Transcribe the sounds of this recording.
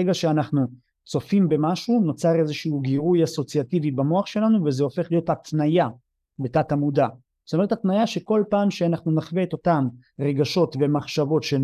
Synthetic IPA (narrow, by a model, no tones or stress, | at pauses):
eɡaʃeanaχnu | t͡so̞fimbe̞maʃuno̞t͡saʁe̞zeʃuːɡiʁujaso̞t͡siativibamo̞aχʃe̞lanuvezeo̞fe̞χlijo̞thatnaja | betatamuda | zo̥tome̞ethat̪najaʃe̞ko̞lpaːmʃeanaχnunaχveet̪o̞tam | ʁe̞ɡaʃo̞tve̞maχʃavo̞tʃe